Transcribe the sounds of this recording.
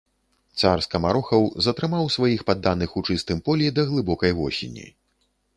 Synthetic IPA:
t̪sarskɐmaɾɔxɐwzɐt̪ɾɨmawsvajixpad̪ːanɨxut͡ʂɨst̪ɨmpɔlʲid̪ɐɣlˠɨbɔkɐjɣɔɕʲḭnʲḭ

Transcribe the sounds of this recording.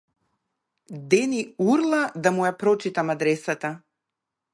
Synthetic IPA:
d̪ɛniuɾlˠad̪amujapɾɔt͡ʃit̪amad̪ɾɛsat̪a

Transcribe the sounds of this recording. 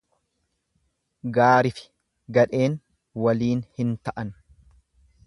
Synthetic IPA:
ɡaːɾɪfɪ̥ | ɡɐᶑe̞ːŋ | wɐliːnhɪnt̪ɐʔɐn

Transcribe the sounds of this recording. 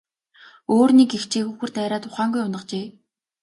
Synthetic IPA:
oːrnikext͡ɕʰeːxŭxɘ̆r̥t̪æɾaːt̪ʰʊχaːŋɡujʊnə̆qt͡ɕeː

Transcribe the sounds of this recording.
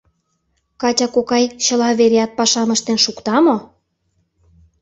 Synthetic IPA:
kɑtʲɑkokɑjɕə̆lɑβeɾeɑt̪̚pɑʃɑmə̆ʃt̪enʃukt̪ɑmo

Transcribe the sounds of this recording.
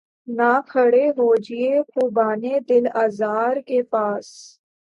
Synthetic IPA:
nakʰəɽeɦoːd͡ʒiekuːbaːned̪ɪlaːzaːɾkepaːs

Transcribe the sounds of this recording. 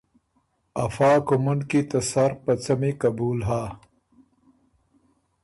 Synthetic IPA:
ɐfaːkumunkit̪ɐsaɾpɐt͡sɐmikɐbuːlɦaː

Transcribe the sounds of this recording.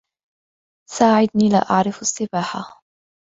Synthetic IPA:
saːʕɪd̪niːla̰ːʔa̰ʕɾɪfasːɪbaːħa

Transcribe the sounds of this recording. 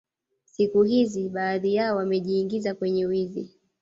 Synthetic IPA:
sikuɦiziɓaːðijaɔwamɛʄiːŋɡizakwɛɲɛwizi

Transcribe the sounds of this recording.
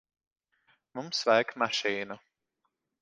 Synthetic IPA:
mumsvajkmaʃiːna

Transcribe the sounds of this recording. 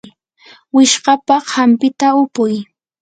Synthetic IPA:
wɪʃɢɑpɑhampɪt̪aʊpʊj

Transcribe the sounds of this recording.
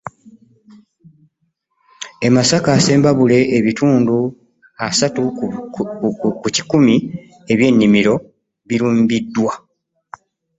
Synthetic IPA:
e̞masakaːse̞ːmbaβule̞ʔːβituːndu | asatu | kuci̥kumi | e̞βje̞ːnːimiɾo̞ | βiɾuːmbidːwa

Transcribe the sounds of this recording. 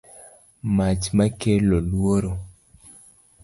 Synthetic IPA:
mat͡ʃmakelolwoɾo

